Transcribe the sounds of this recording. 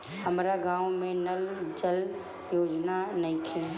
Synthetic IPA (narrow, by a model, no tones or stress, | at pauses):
həmɾaɡãːʋmẽnɐld͡ʒəl | joːd͡ʒnanɐĩk̪ʰẽ